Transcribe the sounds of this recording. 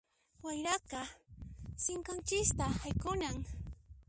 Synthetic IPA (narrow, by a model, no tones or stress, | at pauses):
wajɾakɑ | sɪŋkant͡ʃɪst̪ahajkʊnaŋ